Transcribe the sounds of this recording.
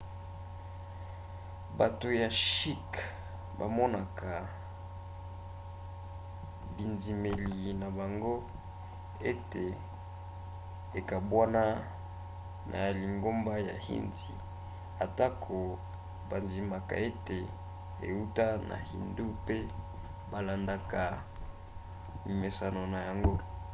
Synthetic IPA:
ba˨to˨ja˨ʃi˦k | ba̰˨mɔ˦na˨ka˨ | bi˨ndi˨me˨li˨na˨ba˨ŋɡo˦ | e˦te˨ | e˨ka˨bwa˦na˦ | nʔa̰˨li˨ŋɡo˦mba˦ja˨hḭ˦nzḭ˨ | a˨ta˦kʰo˨ | ba˨nzi˨ma˨ka̰˨e˦te˨ | ḛ˨u˦ta˦nʔa̰˨hḭ˨ndu˦pe˦ | ba˨la˨nda˨ka˨ | li˨me˨sa˨no˨na˨ja˨ŋɡo˦

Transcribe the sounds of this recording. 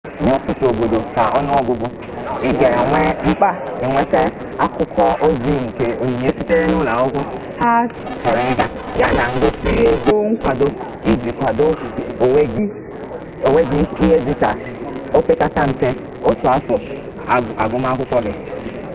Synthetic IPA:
ɲe˦tʊ˨tʊ˨o˨ɡo˨do˨ka˨ʔɔ˦nʊ˦ɔ˦ɡʷʊ˦ɡʊ˦ | ɪ˦ɡe˨ŋʷe˦ŋ͡m̩˦k͡pa˦ɪ˨ŋʷe˦te˦ | a˦kʷʊ˦kʰɔ˦o˦zi˦˨ŋ̩˨ke˨o˨ɲe˨ɲe˦si˦te˦ɾe˦nʊ˦la˨ʊ˦kʷʊ˦ | ha˦ | t͡ʃɔ˨ɾɪ˦ɡa˦ | ja˦na˨ŋ̩˨ɡo˨si˦e˦ɡo˦ŋ̩˦kʷa˨do˦ | i˦d͡ʒi˨kʷa˨do˦˨e˦ɡ | o˨we˦ɡɪ˦i˦ɦe˦di˦ka˨ | o˦pe˦ka˦ta˦m̩˨te˦ | o˦tʊ˨a˦fɔ˨ | a˨ɡʊ˦m˦a˦kʷʊ˦kʷɔ˦ɡɪ˦

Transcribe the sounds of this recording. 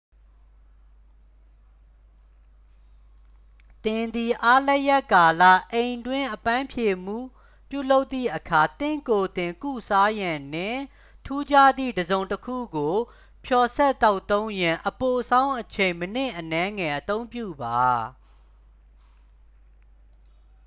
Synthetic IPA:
t̪ɪ̃˨nd̪i˨ʔa˦lɛ˦ʔjɛ˦˨ʔka˨lä̰˦˨ʔẽ˨ɪ̃ndwɪ̃˦ʔəpã˦mpʰje˨m̥ṵ˦˨ | pjṵ˦˨lo˦ʊt̪ːḭ˦˨ʔəkʰa˨t̪ɪ̰̃˦˨ko˨t̪ɪ̃˨ŋkṵ˦˨sʰa˦jã˨nɪ̃˨ | tʰu˦d͡ʑa˦˨d̪ðḭ˦˨dəzõ˨ʊ̃ntəkʰṵ˦˨ɡo˨ | pʰjɔ˨sɛ˦ʔt̪ːa˦ʊt̪ːõ˦ʊ̃ɲjã˨ʔəpo˨sʰã˦ʊ̃ʔət͡ɕʰẽ˨ɪ̃mən̥ɪ̰̃˦˨ʔənɛ˦ŋɛ˨ʔət̪õ˦ʊ̃mpjṵ˦˨ba˨

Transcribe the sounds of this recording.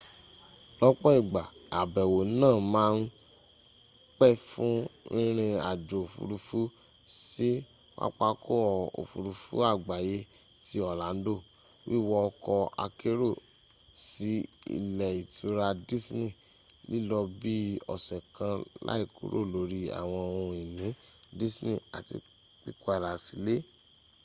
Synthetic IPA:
lɔ˦k͡pɔ˦i˦˨ɡ͡ba˨a˨bɛ˨wo˨˦nãː˦˨mãː˦n˦ | k͡pɛ˦fũ˦ĩ˦ɾ̃ĩ˧a̰˨d͡ʒo˨o˨fṵ˧ɾu˧fu˦ | si˦ | wa̰˦k͡pa˧ko˦ɔ˨o̰˨fṵ˨ɾu˧fṵ˦a˦˨ɡ͡ba˨je˧ | ti˦ɔ˦˨la˨˦n̩˦do˦˨ | wi˦˨wɔ˧ɔ˧kɔ˧a̰˧ke˦ɾo˦˨ | si˨˦ḭ˦˨lɛ˨i˨tu˧ɾa˧di˦snĩ˦˨ | li˦lɔ˧bi˦ɔ̰˨sɛ̃˨kã˧la̰˦i˦˨ku˨˦ɾo̰˦˨lo˨˦ɾi˦a̰˨w̃ɔ̃˧õ˧i˨nĩ˨˦di˦snḭ̃˦˨a˨tḭ˧ | k͡pi˦ku˦a˦˨ɾa˨si˨˦le˦

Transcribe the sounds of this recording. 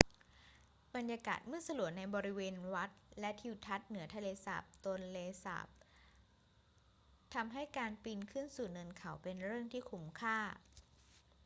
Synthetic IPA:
ba˧njaː˧ka̰ː˨˩t̪̚mɯ˥əsa˧lu˨˩əna˧jbɔː˧ɾi˦˥weː˧nwa˦˥t̪̚lɛ˦˥t̪ʰi˧wt̪ʰa˦˥t̪̚nɯ˨˩˦t̪ʰa˧leː˧sa̰ː˨˩p̚t̪u˧nleː˧sa̰ː˨˩p̚ | t̪ʰa˧mɦa˥˩jkaː˧npi˧nkʰɯ˥˩nsuː˨˩nɤ˧nkʰa˨˩˦wpe˧nɾɯ˥˩əŋt̪ʰiː˥˩kʰu˦˥mkʰaː˥˩

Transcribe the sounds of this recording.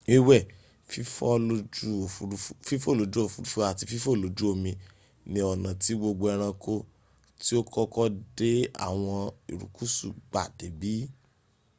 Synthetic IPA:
i˦wɛ˦˨ | fi˦fɔ˦lo˦d͡ʒu˦o˨ffi˦fo˦˨lo˨˦d͡ʒu˦o˦˨fu˨˧ɾu˦fu˦a˨ti˧fi˦fo˦˨lo˨˦d͡ʒu˦o˦˨mĩ˧ | nĩ˧ɔ˨nã˨ti˨˦ɡ͡bo˧ɡ͡bo˧ɛ˧ɾ̃ã˧ko˦ | ti˦o˦kɔ˦kɔ˦de˦a̰˦˨w̃ɔ̃˧ḭ˨ɾṵ˨ku˦sṵ˦˨ɡ͡ba˦˨d̥e˨˦bi˨˦

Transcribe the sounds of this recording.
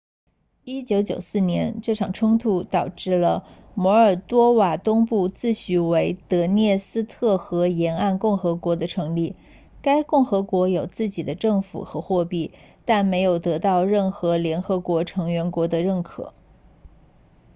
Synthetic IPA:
i˥t͡ɕjo˧˥ʊt͡ɕjo̰˨˩ʊsɹ̩˥˩njɛ˧˥nʈ͡ʂɤ˥˩ʈ͡ʂʰɑ˨˩ŋʈ͡ʂʰʊ˥ŋt̪ʰu˧˥t̪ɑ˨˩ʊʈ͡ʂɻ̩˥˩lə˩mwɔ˧˥ə˞˨˩t̪wɔ˥wa˨˩t̪ʊ˥ŋpu˥˧t͡sɹ̩˥˩ɕy˧˥we˧˥ɪt̪ɤ˧˥njɛ˥˩sɹ̩˥t̪ʰɤ˥˩xɤ˧˥jɛ˧˥na˥˧nkʊ˥˩ŋxɤ˧˥kwɔ˧˥d̪ə˧ʈ͡ʂʰɤ˧˥ŋli˥˩ | ka˥ɪkʊ˥˩ŋxɤ˧˥kwɔ˧˥jo˨˩ʊt͡sɹ̩˥˩t͡ɕi˨˩d̪ə˦ʈ͡ʂɤ˥˩ŋfṵ˨˩xɤ˧˥xwɔ˥˧pi˥˩t̪a˥˩nme˧˥ɪjo˨˩ʊt̪ɤ˧˥t̪ɑ˥˧ʊɻə˥˩nxɤ˧˥ljɛ˧˥nxɤ˧˥kwɔ˧˥ʈ͡ʂʰɤ˧˥ŋɥɛ˧˥nkwɔ˧˥d̪ə˧ɻə˥˩nkʰɤ̰˨˩˦

